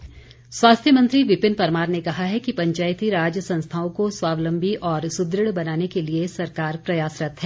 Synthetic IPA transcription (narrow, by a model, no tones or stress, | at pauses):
swaːst̪ʰjəmɐ̃nt̪ɾiʋɪpɪnpɐɾmaːɾnekɐɦaɦɛkipɐ̃ɲt͡ʃaːjt̪iɾaːd͡ʒjəsɐ̃nst̪ʰaːõkoswaːʋlə̃mbʱiʔɔːɾsʊd̪ɾɪɽbɐnaːnekeliesɐɾkaːɾpɾɐjaːsɾɐt̪ʰɦɛː